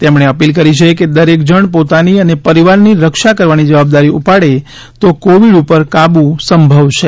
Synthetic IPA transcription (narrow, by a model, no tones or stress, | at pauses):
t̪emɳ̃eəpilkəɾit͡ʃʰeked̪əɾek̚d͡ʒəɳpot̪aniənepəɾiʋaɾniɾəkʃakəɾʋanid͡ʒəʋab̚d̪aɾiupaɽe | t̪okoʋiɽupəɾkabũsəmbʱəʋʃʰe